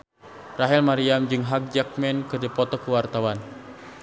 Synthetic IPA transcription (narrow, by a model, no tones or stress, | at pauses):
raɦɛlmaɾiamd͡ʒɨŋɦak̚d͡ʒak̚mɛnkɨrdipɔt̪ɔkəwart̪awan